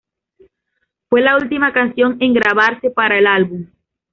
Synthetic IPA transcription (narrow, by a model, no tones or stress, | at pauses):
fwe̞lault̪imakansjo̞ŋe̞ŋɡɾaβaɾse̞paɾaelalβum